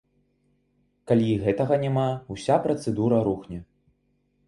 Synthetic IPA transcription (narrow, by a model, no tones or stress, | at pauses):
kalʲiɣɛt̪ɐɣɐnʲamausʲapɾɐt̪sɛd̪uɾɐɾuxnʲɛ